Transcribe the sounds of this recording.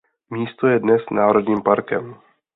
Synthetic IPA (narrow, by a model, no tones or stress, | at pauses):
miːst̪o̞jɛdnɛsnaːɾo̞dɲiːmpaɾkɛm